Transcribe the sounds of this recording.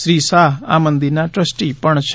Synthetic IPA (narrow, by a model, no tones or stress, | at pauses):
sɾiːsaːɦa̰ːmə̃nd̪inaːʈɾəsʈipəɳʃʰ